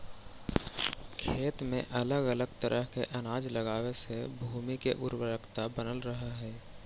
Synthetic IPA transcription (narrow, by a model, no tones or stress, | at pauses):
kʰeːt̪mḛ̃ʔɐləɡələɡ̚t̪əɾʔəɦkeʔɐnaːd͡ʒləɡaːwesebʱuːmikeʔʊɾwəɾəkʰt̪abənəlɾəɦaɦɛː